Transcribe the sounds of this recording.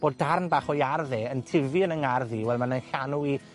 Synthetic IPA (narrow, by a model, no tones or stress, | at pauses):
b̥oːdːarnbaːχɔjarðɛəntʰɪviənəŋarðiwɛlˠmanənɬanui